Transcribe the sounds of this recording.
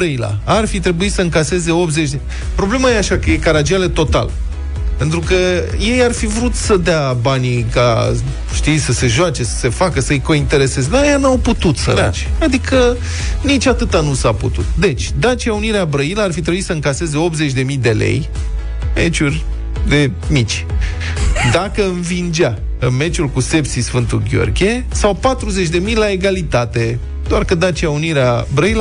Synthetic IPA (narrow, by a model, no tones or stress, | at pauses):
bɾəila̰arfit̪ɾe̞buisəɨŋkase̞ze̞o̞p̪ze̞t͡ʃʲd̪e | pɾo̞ble̞majeaʃakəje̞kaɾad͡ʒialet̪o̞t̪a̰l | pe̞nt̪ɾukəje̞jarfivɾut̪səd̪eabanika̰ | ʃt̪ijsəse̞ʒoat͡ʃe̞sə̥se̞fakəsəɨjko̞int̪e̞ɾe̞se̞zed̪ajanawput̪ut̪sə̰ɾa̰t͡ʃʲad̪ikʰə | nit͡ʃʲat̪ɨt̪anusaput̪ṵt̪d̪e̞t͡ʃʲd̪at͡ʃiauniɾeabɾəiləarfit̪ɾebuit̪səɨŋkase̞ze̞o̞p̪̚ze̞t͡ʃʲd̪e̞mijd̪e̞le̞̰j | me̞̰t͡ʃurʲ | d̪e̞mit͡ʃʲ | d̪akəɨnvind͡ʒa | ɨnme̞t͡ʃulkuse̞psisfɨnt̪uɡʲo̰rɡʲe̞ | sawpat̪ɾuze̞t͡ʃʲd̪e̞mijlaeɡalit̪at̪e̞ | d̪oarkəd̪at͡ʃiauniɾeabɾəil